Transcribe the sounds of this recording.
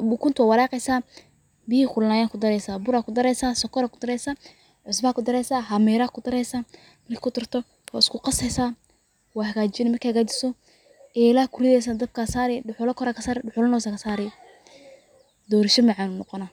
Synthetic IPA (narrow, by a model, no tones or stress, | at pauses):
ukʰʊnt̪ʰwaːwɑɾaːqɛjsaː | bɪhiːkʊlnaːjaːkʰʊd̪ɐɾɛjsaːbʊɾaːkʰʊd̪ɐɾɛjsaːsɔkʰɔɾaːkʰʊd̪ɐɾɛjsaː | ʕʊsbɐakʰʊd̪ɐɾɛjsaːɦamɛːɾaːkʰʊd̪ɐɾɛjsaː | mɐrkikʰʊt̪ɪrt̪ʰɔ | wa̰ːɪskʰʊqɑsɛjsaː | waːhɐɣaːt͡ʃɪnɛmɐrkʰihaɡaːd͡ʒɪsɔ | ɛɪlaːkʰʊɾɪðɛjs̬aːd̪ɐb̚kʰaːsaːɾɛɖʊħʊlɔkʰɔɾaːkʰɐsaːɾɪɖʊħʊlɐnɔːsakʰɐsaːɾɛj | d̪ɔːɾɐʃɔmaʕaːnʊnɔqɔnaː